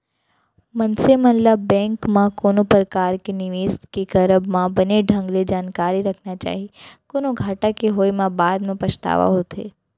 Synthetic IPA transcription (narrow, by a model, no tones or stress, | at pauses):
mɐnsemɐnləbːɛ̃ːŋkmãkoːnõpɾəkaːɾkenɪʋeːst̪kekɐɾəbmãbɐneɖʱɐ̃ŋɡled͡ʒaːnkaːɾiɾɐkʰnat͡ʃa̰ːɦiekoːnoɡʱaːʈakeɦoːimãbaːd̪mẽpɐt͡ʃt̪a̰ːʋa̰ɦoːt̪ḛː